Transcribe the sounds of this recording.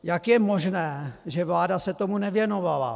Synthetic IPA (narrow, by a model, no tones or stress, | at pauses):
jakjɛmo̞ʒnɛːʒɛvlaːdasɛt̪o̞munɛvjɛno̞vala̰